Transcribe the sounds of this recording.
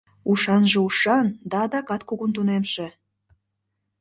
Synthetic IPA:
uʃɑnʒeuʃɑnd̪ɑd̪ɑkɑt̪kuɣunt̪unemʃe

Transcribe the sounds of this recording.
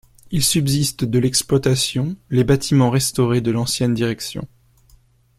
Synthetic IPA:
ilsybzist̪d̪əlɛksplwat̪asjɔ̃lebat̪ʰimɑ̃ʁɛst̪ɔʁed̪əlɑ̃sjɛnd̪iʁɛksjɔ̰̃

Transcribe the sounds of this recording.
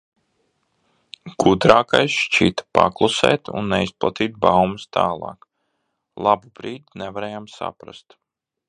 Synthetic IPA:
ɡ̥ud̪ɾaːkajsʃt͡ʃiːt̪ḁpa̰klˠusɛ̰ːt̪ṵnːɛisplˠat̪iːt̪̚bawmust̪ʰaːlˠɑ̰ːk | lˠabub̥ɾiːd̪nɛvaɾɛːjamsa̰pɾa̰st̪

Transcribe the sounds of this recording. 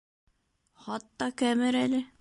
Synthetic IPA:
χɑt̪ːɑkæmɘɾælɘ

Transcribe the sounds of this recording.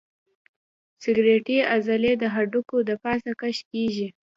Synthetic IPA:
sɪɡɾeʈeazaled̪əɦaɖukod̪əpɑsakaʃkeʒi

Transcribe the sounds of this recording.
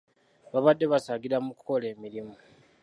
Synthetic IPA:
βaβadːe̞βasaːɡiɾamukuko̞le̞ːmiɾimu

